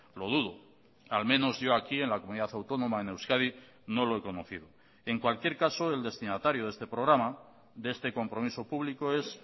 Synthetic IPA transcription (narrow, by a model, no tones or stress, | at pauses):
lo̞ð̞uðo | almẽ̞no̞zʝo̞akie̞nlakomuniðaθawt̪o̞nõ̞maene̞wskaði | no̞lo̞e̞ko̞no̞θið̞o | e̞ŋkwalkje̞ɾkaso̞e̞ld̪est̪inat̪aɾjoð̞e̞st̪e̞pɾo̞ɣ̞ɾama | ðee̞st̪e̞ko̞mpɾo̞miso̞puβlikoe̞s